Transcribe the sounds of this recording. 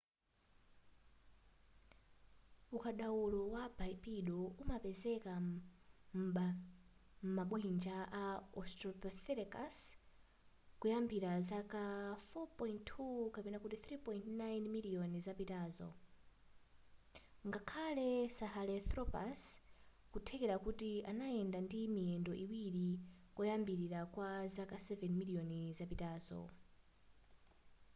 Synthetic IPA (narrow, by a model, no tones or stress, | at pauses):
ukaɗawulɔwabaipiɗɔumapɛzɛka | m | m̩maɓuɦind͡ʒaʔaɔstɾɔpaθɛlɛkas | kujambiɾazakafɔpɔjinttʰːukapɛnakutiθɾipɔjntnajnmiliɔnizapitaːzɔ̰ | ŋɡakʰalɛsahalɛθɾɔpa̰s | kutʰɛkɛɾakutianajɛndandimiɛndɔʔiwiɾikujambiɾiɾakwazakasɛvɛnmiliɔnizapitaːzɔ̰